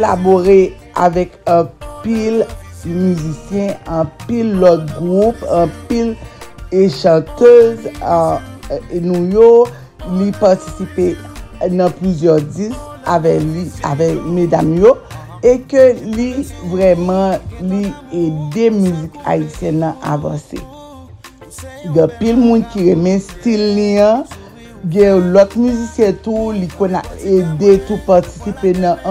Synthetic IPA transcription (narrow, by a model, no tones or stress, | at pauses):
laboʁe | a̰vɛkãpilmyzisjɛ̃ɑ̃pilːɔt̪̚ɡʁupɑ̃pileʃɑ̃t̪øz | nũjo | lipaʁtisipenɐ̃plyzjœʁdis | avɛliavɛkmed̪amjo | ekølivʁɛmɐ̃lied̪emyzika̰isjɛ̃nãʔa̰vã̰sḛ | d̪ɐ̃pilmũnkiʁemɛ̃stilːiã | ɡɛ̃lɔkmyzisjɛ̃t̪ulikõna̰ed̪et̪upaʁti̥sipenɐ̃ʔ